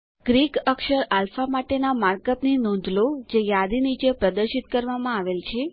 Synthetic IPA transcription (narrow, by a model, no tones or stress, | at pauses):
ɡ̥ɾikəkʃəɾalfamaʈenamaɾkəpninõd̪ʱlod͡ʒejad̪init͡ʃepɾəd̪əɾʃit̪kəɾʋamãaʋelt͡ʃʰe